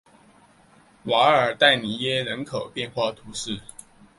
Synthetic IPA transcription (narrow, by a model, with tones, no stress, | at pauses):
wa˧˥ə˞˨˩t̪a˥˩ɪni˨˩jɛ˥ɻə˧˥nkʰo˨˩ʊpjɛ˥˧nxwa˥˩t̪ʰu˧˥ʂɻ̩˥˩